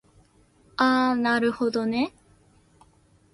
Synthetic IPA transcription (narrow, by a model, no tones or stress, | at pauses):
aːnaɾɯ̟ho̞d̪o̞ne